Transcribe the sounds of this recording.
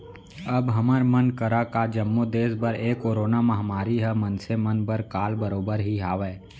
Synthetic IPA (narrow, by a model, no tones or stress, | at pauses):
əbɦɐməɾmənkəɾakad͡ʒəmːod̪eːsbəɾeːkoːɾoːnamɐɦmaːɾiɦɛmənsemənbəɾkaːlbəɾoːbəɾɦiɦaːʋɛː